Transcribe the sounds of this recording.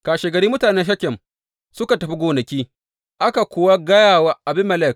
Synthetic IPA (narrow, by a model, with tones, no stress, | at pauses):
kaː˨ʃeː˨ɡɐ˨ɾiː˦mʊ˦taː˨nɛ˦nʃ̬ɐ˦kʲːɛ˨m | sʊ˦ka˨tɐ˨ɸi˦ɡʷoː˨nɐ˨kʲiː˦ | ʔa˦ka˨kʷʊː˨wa˦ɡɐ˦jaː˦˨waː˦ʔa˨bɪ˦mːɐ˨lɛ˦˨k̚